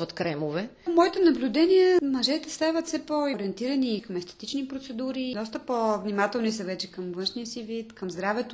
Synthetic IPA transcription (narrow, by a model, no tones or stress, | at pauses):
ot̪kɾɛmovɛmɔit̪ɛnɐblʲud̪ɛnijəmɐʒɛt̪ɛst̪avɐt̪fsɛpoɾiɛnt̪iɾɐniːkɐmɛst̪ɛ̥t̪it͡ʃnipɾot̪sɛd̪uɾid̪ɔst̪əpovnimat̪ɛlˠnisɐvɛt͡ʃɛ̥kɐmvənʃniəsivit̪kɐmzd̪ɾavɛt̪o